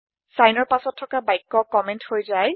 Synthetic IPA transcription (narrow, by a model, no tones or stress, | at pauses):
sajnɔɹpasɔtʰːɔkabajkːɔkɔmɛnthojzaj